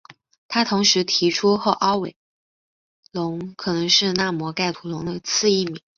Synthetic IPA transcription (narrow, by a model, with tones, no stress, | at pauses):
t̪ʰa˥t̪ʰʊ˧˥ŋʂɻ̩˧˥t̪ʰi˧˥ʈ͡ʂʰu˥xɤ˧˥ʔɑ˥ʊwe˨˩ɪ | lʊ˧˥ŋkʰɤ˨˩nɤ˧˥ŋʂɻ̩˥˧na˥˩mwɔ˧˥ka˥˩ɪt̪ʰu˧˥lʊ˧˥ŋd̪ə˧t͡sʰɹ̩˥˧i˥˩mi˨˩˦ŋ